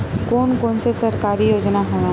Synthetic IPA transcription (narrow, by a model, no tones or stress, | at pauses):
koːnkoːnsesɐɾkaːɾijoːd͡ʒnaɦoːã